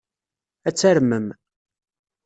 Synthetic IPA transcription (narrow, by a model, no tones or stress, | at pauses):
æt͡sːæɾməm